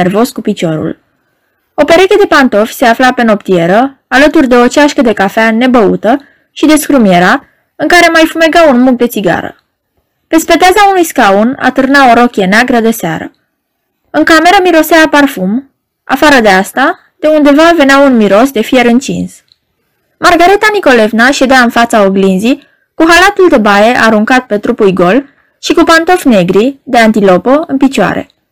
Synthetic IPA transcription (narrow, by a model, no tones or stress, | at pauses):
ervo̞skupit͡ʃo̞ɾṵl | o̞pe̞ɾeked̪e̞pant̪o̞fʲse̞aflape̞no̞pt̪ie̞ɾəalət̪urʲd̪e̞o̞t͡ʃaʃkəd̪e̞kafeane̞bəṵt̪ə | ʃid̪e̞skɾumje̞ɾa | ɨŋkaɾe̞majfume̞ɡaunmuk̚d̪e̞t̪siɡa̰ɾə̰ | pe̞spe̞d̪eazaunujskauna̰t̪ɨrnao̞ɾo̞kʲe̞neaɡɾəd̪e̞sea̰ɾə̰ | ɨŋkame̞ɾəmiɾo̞seaparfum | a̰faɾəd̪e̞ast̪a | d̪̥e̞und̪e̞vave̞neaunmiɾo̞sd̪e̞fije̞ɾɨnt͡ʃḭns | marɡaɾet̪aniko̞le̞vnaʃe̞d̪eaɨnfat̪saoɡlinzi | kuɦalat̪uld̪e̞baje̞ʔaɾuŋkat̪̚pe̞t̪ɾupujʲɡo̞l | ʃikupant̪o̞fne̞ɡɾid̪e̞ant̪ilo̞poɨnpit͡ʃoa̰ɾḛ